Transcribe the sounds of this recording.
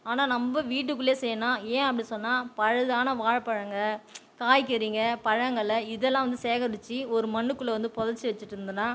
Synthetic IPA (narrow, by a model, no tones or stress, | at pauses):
aːnaːnɐmbɐʋiːʈ̬ːɯkːɯɭlːeːsɛjːɐnaːẽːɐpːɐɽisɔnːaːpɐɻɐðaːnɐʋaːɻpɐɻɐŋɡɐkaːjkɛɾiːŋɡɐpɐɻɐŋɡɐɭɐɪðɛlːãːʋɐnd̪ɯseːɣɐɽɯt͡ʃːiɔɾɯmɐɳːɯkːɯɭːɐʋɐnd̪ɯpɔðɐt͡ʃːɯʋɛt͡ʃːɯʈːɯɾɯnd̪ɯnːaː